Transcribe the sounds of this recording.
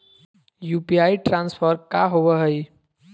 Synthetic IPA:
juːpiaːiʈɾãːnspʰəɾkaɦoʋəɦəi

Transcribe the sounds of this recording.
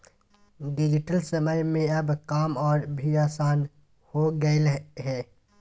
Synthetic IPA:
ɖɪd͡ʒɪʈəlsəməjmẽɐbkaːmɔːɾbʱiaːsaːn | hoɡəelɦɛː

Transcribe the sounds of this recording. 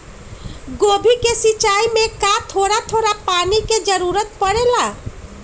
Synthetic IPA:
ɡoːbʱikesit͡ʃaːimẽkat̪ʰoːɾat̪ʰoːɾapaːniked͡ʒəɾuːɾət̪̚pəɽela

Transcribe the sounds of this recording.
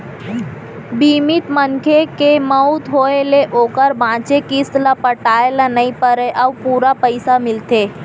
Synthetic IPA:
bimɪt̪mənkʰekeməut̪ɦoeleʔoːkəɾbʱãːt͡ʃekist̪lapəʈaelanəipəɾeʔəʋpuːɾapəjsamɪlt̪eː

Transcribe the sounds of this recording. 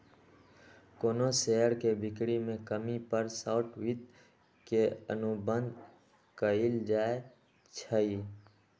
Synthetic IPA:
koːnoseːəɾkebɪkɽimẽkəmipəɾsaːʈwɪt̪̚ | keə̰nʊbə̃nd̪ | kəild͡ʒaːe | t͡ʃʰəi

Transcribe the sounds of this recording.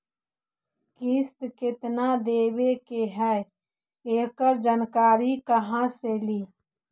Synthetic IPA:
kiːst̪kɪt̪nad̪eːwekeɦɛ | eːkəɾd͡ʒənkaːɾikəɦãseliː

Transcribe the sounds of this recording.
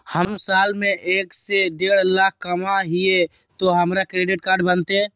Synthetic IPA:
həmsaːlmẽʔeːkseɖeɽ̤lak̚ʰkəmaɦije | t̪oɦəmɾakɾeɖiʈ̚kaːɾɖbənt̪e

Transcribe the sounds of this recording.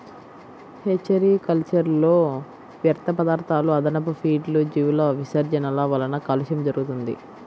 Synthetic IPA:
het͡ʃːɐɾikɐlt͡ʃɐɾloː | ʋjɐɾt̪ʰɐpɐd̪aːɾt̪ʰaːluɐd̪ɐnɐpɐpʰiːɖlud͡ʒiʋlɐʋisɐɾd͡ʒɐnɐlɐʋɐlɐnɐkɐluʃɐmd͡ʒɐɾuɡut̪und̪ḭ

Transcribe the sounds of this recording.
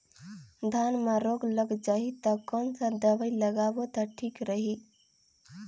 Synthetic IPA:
d̪ʱanmeɾoɡləɡd͡ʒaɦit̪ɔkɔnsə̃d̪əbəiləɡabot̪ɔʈʰikɾəɦi

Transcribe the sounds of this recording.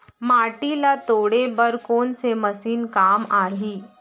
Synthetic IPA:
maːʈilat̪oːɽebɐɾkoːnsemɐsiːnkaːmaːɾɐɦiː

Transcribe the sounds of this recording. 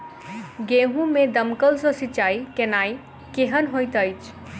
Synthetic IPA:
ɡeɦũmed̪əmkəlsɔ̃sit͡ʃaikenai | keɦənɦojt̪əjt͡ʃʰ

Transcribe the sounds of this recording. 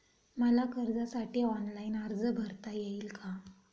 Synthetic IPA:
məlakəɾd͡zasaʈiːɔnlainəɾd͡zəbʱəɾt̪ajeiːlkʰa

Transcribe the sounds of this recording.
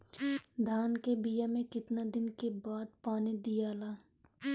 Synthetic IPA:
d̪ʱaːnkebijamẽkɪt̪nad̪ɪnkebaːd̪̚paːnid̪ijaːlaː

